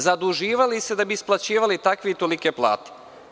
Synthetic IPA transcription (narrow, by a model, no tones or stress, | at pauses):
zad̪uʒiːʋalise̞d̪abiːsplˠat͡ɕiːʋalit̪akʋiit̪o̞likeplˠa̰ːt̪e̥